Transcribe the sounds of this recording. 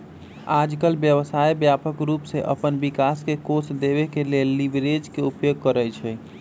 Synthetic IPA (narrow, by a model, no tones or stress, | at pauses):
ad͡ʒkəlbjəbəsajbjapəkɾupseʔə̰pənbikaskekosd̪ebekelelːibɾed͡ʒkeupjoɡ̚kəɾət͡ʃʰə